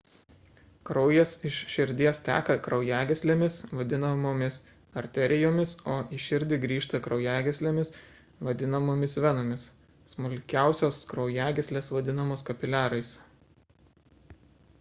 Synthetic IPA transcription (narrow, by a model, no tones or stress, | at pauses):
kɾɔʊjɛsɪʃʃʲɪɾʲd̪ʲiɛst̪ʲæ̰ːkɐkɾɒʊjæːɡʲɛsʲlʲeːmʲɪsʋɐd̪ʲɪnɐmoːmʲɪs | ɐɾʲt̪ʲɛɾʲɪjoːmʲɪsoːʔiˑʃʲɪɾʲd̪ʲɪɡɾʲiːʃt̪ɐkɾɒʊjæːɡʲɛsʲlʲeːmʲɪs | ʋɐd̪ʲɪnɐmoːmʲɪsʋʲɛnoːmʲɪs | smʊlʲkʲæˑʊsʲoːskɾɒʊjæːɡʲɛsʲlʲeːsʋɐd̪ʲɪnɐmoːskɐpʲɪlʲæːɾɐɪs